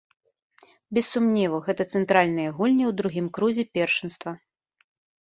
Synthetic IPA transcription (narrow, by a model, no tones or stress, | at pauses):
bʲɛsːumnʲɛvɐɣɛt̪ɐt̪sɛnt̪ɾalʲnɨjɐɣulʲnʲiwd̪ɾuɣʲimkɾuzʲɛpʲɛrʂɨnst̪vɐ